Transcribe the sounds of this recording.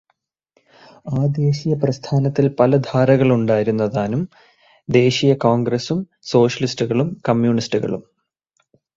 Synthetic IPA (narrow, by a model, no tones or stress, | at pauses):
aːd̪e̞ːɕijɐprɐst̪ʰaːnɐt̪ːilpɐlɐd̪ʱaːɾɐɣɐɭuɳɖaːjiɾunːɐðaːnum | d̪e̞ːɕijɐkoːŋɡɾesum | so̞ːɕɐlistuɣɐɭumkɐmjuːɳistuɣɐ̰ɭṵm